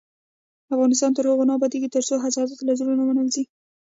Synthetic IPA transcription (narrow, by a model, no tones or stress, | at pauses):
afɣɑnɪst̪ɑnt̪əɾhoɣonɑbad̪eɡit̪əɾsoɦazɑzat̪lazulunamanalzi